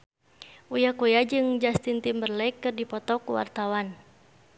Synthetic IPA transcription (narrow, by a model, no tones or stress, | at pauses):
ʔujakujad͡ʒɨŋd͡ʒast̪int̪imbərlɛkːɨrdipɔt̪ɔkuwa̰rt̪awan